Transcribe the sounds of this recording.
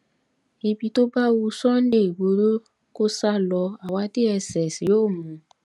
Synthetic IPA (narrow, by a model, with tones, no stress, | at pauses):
e˧bi˧to˦ba˦wu˧sɔ̃˦n̩˦de˦˨i˨ɡ͡bo˧ɾo˦ | ko˦sa˦lɔ˧a˨wa˧˦ti˦ɛ˧sɛ˨si˨joː˦˨mũ˨